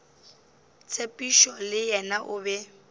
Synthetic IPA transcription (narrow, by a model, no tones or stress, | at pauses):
t͡sʰʼepʼiʃɔlɪjɛnaʔʊbɛ